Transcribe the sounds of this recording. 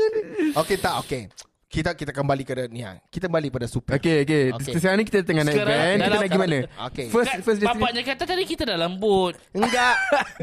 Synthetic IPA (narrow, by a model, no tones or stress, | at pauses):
oket̪aʔoke | kit̪akit̪akəmbalikəpadaja̰kit̪akəmbalikəpadasupəokeokesəskaɾaŋɲaki̥t̪adat̪əŋanavɛnkit̪alaɡimanãokefəsfəsdbapaʔɲakat̪at̪adikit̪adaʔlambʊt̪̚əŋŋɡaʔ